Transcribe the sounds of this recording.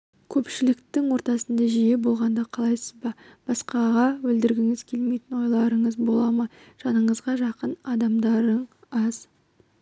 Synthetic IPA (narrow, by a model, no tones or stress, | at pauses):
kʲʰɵpʃɪlɪkt̪ɪŋwo̞ɾt̪ɑsənd̪ɑʒije̞bo̞lˠʁɑnd̪ɑqʰɑlˠɑjsəzbɑb̥ɑsqɑʁɑwɵld̪ɪɾɡʲɪŋɪzkʲʰe̞lmejt̪ɪnwo̞jlˠɑɾəɴəzbo̞lˠɑmə | ʒ̥ɑnəɴəzʁɑʒɑqənɑd̪ɑmd̪ɑɾəɴɑz̥